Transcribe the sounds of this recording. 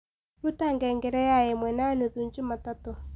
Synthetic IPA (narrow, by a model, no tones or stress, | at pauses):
ɾutaŋɡɛŋɡɛɾɛjaɛmwɛnanuðuɲd͡ʒimatato